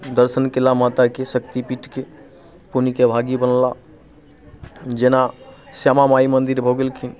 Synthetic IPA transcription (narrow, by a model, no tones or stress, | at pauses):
d̪əɾsənkelamat̪akesəkt̪ipiʈke | punikebʱaɡibənla | d͡ʒenasamamaimənd̪iɾbʱoɡelkʰin